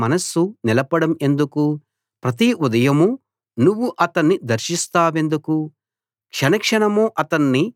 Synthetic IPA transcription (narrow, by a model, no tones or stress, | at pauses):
mɐnɐsunilɐpɐɽɐme̞nd̪uku | pɾɐt̪̬iud̪ɐjɐmu | nuʋːuʔɐt̪ɐnːid̪ɐɾʃist̪aːʋe̞nd̪uku | kʂɐnɐkʂɐɳɐmoːʔɐt̪ɐnːi